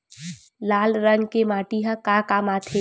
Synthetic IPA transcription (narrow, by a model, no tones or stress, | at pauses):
laːlɾəŋɡkemaːʈiɦãkaːkaːmaːt̪ʰe